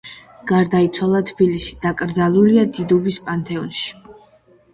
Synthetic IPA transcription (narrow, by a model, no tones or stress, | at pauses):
ɡ̥aɾd̪ait̪sʰwalˠat̪ʰb̥ilisi̥d̪̥akʼɾd̪zalˠuliad̪id̪ɔbispʼant̪ʼɛɔnʃi̥